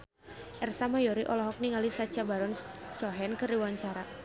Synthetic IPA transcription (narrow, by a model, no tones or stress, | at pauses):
ʔɛrsamajɔɾiʔɔlɔɦɔk̚niŋalisat͡ʃabaɾɔnt͡ʃɔɦɛnkɨriwaɲt͡ʃaɾa